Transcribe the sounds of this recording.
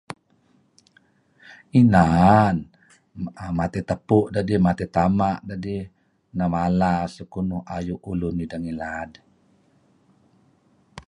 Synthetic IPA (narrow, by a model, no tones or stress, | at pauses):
inan | mat̪ɛt̪əpuʔdadimat̪et̪amaʔdadi | namalasəkunuhajuʔulunidaŋilad